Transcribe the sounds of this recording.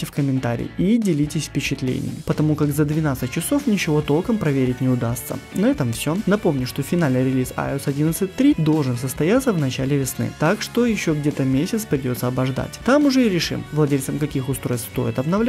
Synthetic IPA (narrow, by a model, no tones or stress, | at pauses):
tʲɪfkəmʲɪnt̪a̰ɾʲɪ̰jidʲɪlʲitʲɪsʲfpʲɪt͡ɕɪt̪lʲḛnʲɪ̰jpət̪ɐmukakzəd̪vʲɪnat̪sɨt̚ʲt͡ɕːɪso̞fnʲɪt͡ɕɪvo̞t̪o̞lˠkəmpɾɐvʲeɾʲɪtʲnʲɪʊd̪ast̪sə̰nvɛt̪əmfsʲonɐpo̞mnʲʊʂt̪ofʲɪnalʲnɨɪjɾʲɪlʲisa̰osɐdʲinət̪sɨt̚ʲt̪ːɾʲid̪o̞lˠʐɨnsəst̪ɐjat̪səvnɐt͡ɕalʲɪvʲɪsnɨ̰t̪akʂt̪o̞jɪɕːo̞ɡdʲe̞t̪əmʲesʲɪt̪spɾʲɪdʲo̞t̪səɐbɐʐd̪a̰tʲt̪amʊʐɛɪiɾʲɪʂɨ̰mvlˠɐdʲelʲt̪səmkɐkʲixʊst̪ɾo̞jst̪st̪o̞̰jɪt̪ɐbnɐvlʲ